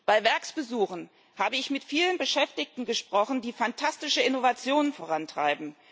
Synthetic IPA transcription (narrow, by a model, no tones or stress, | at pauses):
b̥aɪvɛɐksb̥əzuːχn̩ | haːbəɪçmɪtfiːlənbəʃɛftɪçtn̩ɡəʃpʁ̥ɔχn̩diːfantʰastɪʃəɪnovat͡sjoːnənfoʁantʁ̥a̰ɪbm̩